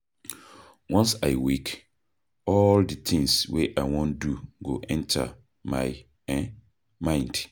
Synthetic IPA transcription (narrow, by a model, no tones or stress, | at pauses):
wɔ̃nsaɪwek | ɔldit̪ʰɪ̃ŋsweʔaɪwɔ̃nduɡoʔɛ̃ntʰa̰ | mã̰ɪ | mãɪ̃nd̥